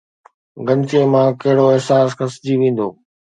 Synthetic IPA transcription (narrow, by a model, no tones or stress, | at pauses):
ɡɐ̃nt̪iemãkɐɦɪɽoɪɦsaːsxɐsd͡ʑiʋẽːn̆d̪o̰ː